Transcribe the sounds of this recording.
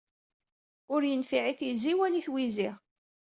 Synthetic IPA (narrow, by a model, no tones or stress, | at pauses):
ʊɾjənfiʕiθiziwæniθwiziʁ